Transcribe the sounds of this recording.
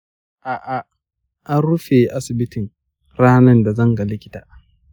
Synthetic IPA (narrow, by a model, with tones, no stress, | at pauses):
ʔaː˨ʔa˨ | ʔa˦nɽʊ˦ɸeː˨ʔa˦sɪ˨bɪ˦tɪ˨ŋ | ɽaː˦nɐ˦nda˨zɐ˦ŋɡa˨lɪ˦kʲɪ̥˦ta̰ː˨ʔ